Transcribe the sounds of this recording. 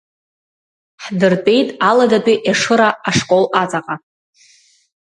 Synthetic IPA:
ħdɨrpʼe̞jtʼaladatʼiʔaʂɨɾaːʂkʼo̞lat͡sʼaqʼa

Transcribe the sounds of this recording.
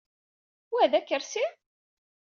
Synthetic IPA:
wæðækːəɾsi

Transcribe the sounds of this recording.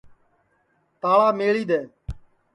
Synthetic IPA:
t̪aːɭaːmeːɭiːd̪eː

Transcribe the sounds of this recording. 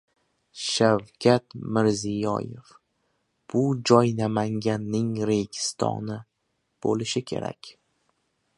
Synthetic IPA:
ʃawkʲʰat̪mɪɾzijɒ̰jḛf | b̥ʊd͡ʒɒjnamaŋɡʲanːɪŋɾe̞ɡʲɪ̥st̪ʰɒ̰nɪ | b̥olɪʃɪkʲʰe̞̰ɾa̰kʲ

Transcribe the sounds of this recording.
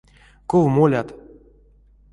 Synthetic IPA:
kovmolʲat̪

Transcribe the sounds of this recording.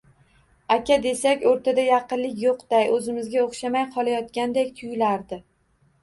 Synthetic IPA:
akʲʰad̪e̞sakʲoɾt̪ʰad̪ajɑqɨnlɪkʲjoqd̪ajɵzɪmɪzɡʲaoχʃamajqʰɒlˠajɒt̪̚kʲand̪ekʲt̪ʰʊjlaɾd̪ɪ

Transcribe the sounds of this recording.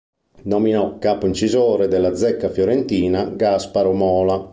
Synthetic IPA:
nɔminɔkːaːpoint͡ʃizoːɾed̪ɛlːad̪zɛkːafjoɾent̪iːnaɡaspaɾomɔːla

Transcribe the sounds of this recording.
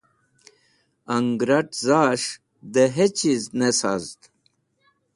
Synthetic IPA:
ɐŋɡɾɐʈzaːʂ | d̪eɦet͡ɕiznesa̰zt̪

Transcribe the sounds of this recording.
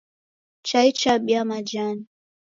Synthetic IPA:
t͡ʃait͡ʃaɓiamad͡ʒani

